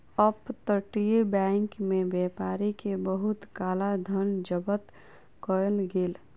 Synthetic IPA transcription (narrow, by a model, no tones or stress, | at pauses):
əpt̪əʈijebɛ̃ːŋkmẽbɛːpaːɾikebəɦʊt̪kaːlad̪ʱənd͡ʒəbət̪ | kɔjəlɡeːl